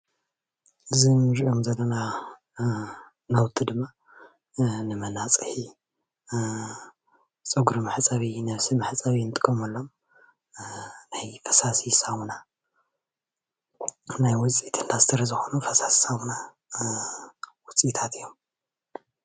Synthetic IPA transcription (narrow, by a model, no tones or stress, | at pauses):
ʔɨzinɨɾiʔomzɐlːɐna | nɐwt̪ʰʼɨd̪ɨmːa | nɨmɐnat͡sʼɨħi | t͡sʼɨɡuɾumaħt͡sʼaβinɐβsimaħt͡sʼaβint̪ʼɨ̥kʼːomɐlːom | najfɐ̥sasisawuna | najwɔt͡sʼit̪ʰɨnd̪ast̪ʰɐɾɐzɨxo̞nufɐsassawna | wɔt͡sʼit̪ʰat̪ʰɨjːom